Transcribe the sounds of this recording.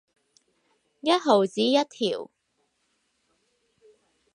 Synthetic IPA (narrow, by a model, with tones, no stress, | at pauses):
jɐ˥t̚ɦo˨˩wt͡siː˨˥jɐ˥t̚t̪ʰiː˨˩w